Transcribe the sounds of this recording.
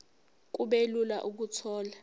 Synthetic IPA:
k̬uɓelula̰ʔuk̬utʰɔːla

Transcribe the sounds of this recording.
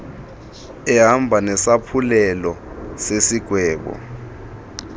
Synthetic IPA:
ɛɦambʱanɛsapʰulɛlɔ | sesiɡ̥ʱwɛːɓɔ̰

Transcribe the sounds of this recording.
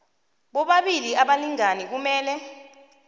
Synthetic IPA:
ɓɔɓaɓiliaɓaliŋanik̬umɛːlɛ

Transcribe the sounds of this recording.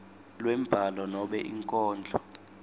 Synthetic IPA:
lwɛm̩b̥ʱalɔnɔɓɛʔiŋkʼɔːnd͡ɮʱɔ

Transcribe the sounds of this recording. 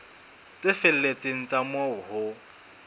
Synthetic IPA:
t͡sʼɪfɪl̩let͡sʼeŋ̩t͡sʼamoʊhʊ

